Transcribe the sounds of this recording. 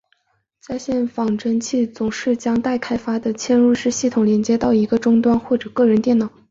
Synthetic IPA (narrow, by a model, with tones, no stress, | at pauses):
t͡sa˥˧ɪɕjɛ˥˩nfɑ˨˩ŋʈ͡ʂə˥nt͡ɕʰi˥˩t͡sʊ˨˩ŋʂɻ̩˥˩t͡ɕjɑ˥ŋt̪a˥˩ɪkʰa˥ɪfa˥d̪ə˨t͡ɕʰjɛ˥˧nɻu˥˧ʂɻ̩˥˧ɕi˥˩t̪ʰʊ˨˩ŋljɛ˧˥nt͡ɕjɛ˥t̪ɑ˥˩ʊi˧˥ɡə˧ʈ͡ʂʊ˥ŋt̪wa˥nxwɔ˥˩ʈ͡ʂɤ˨˩kɤ˥˩ɻə˧˥nt̪jɛ˥˩nɑ˨˩˦ʊ